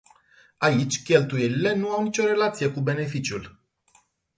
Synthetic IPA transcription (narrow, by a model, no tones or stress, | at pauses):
ait͡ʃʲkʲe̞lt̪uje̞lile̞nuawnit͡ʃʲo̞ɾe̞lat̪sije̞kube̞ne̞fit͡ʃjul